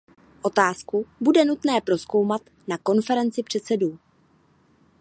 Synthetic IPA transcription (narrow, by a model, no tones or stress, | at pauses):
ʔo̞t̪aːskubudɛnut̪nɛːpɾo̞sko̞wmat̪ | nako̞nfɛɾɛnt͡sɪpr̝̥ɛt̪sɛduː